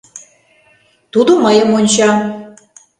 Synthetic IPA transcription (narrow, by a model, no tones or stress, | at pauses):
t̪ud̪oməjə̆monʲt͡ɕɑ